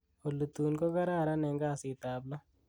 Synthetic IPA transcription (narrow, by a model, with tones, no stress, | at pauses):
o˨lːu˨t̪uː˨nko˦ka˦ɾaː˦˨ɾa˦nɛ˨ŋɡa˦˨si˨t̪aː˨blo˦